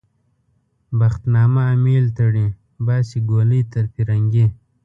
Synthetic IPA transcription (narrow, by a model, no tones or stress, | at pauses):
baxt̪nɑːmaːmiːlt̪əɽi | baːsiɡoləjt̪əɾpiɾaŋɡe